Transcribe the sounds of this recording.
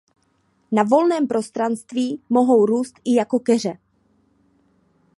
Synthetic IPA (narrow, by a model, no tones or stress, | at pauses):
navo̞lnɛːmpɾo̞st̪ɾanst̪viːmo̞ɦo̞wɾuːst̪ʔɪjako̞kɛr̝ɛ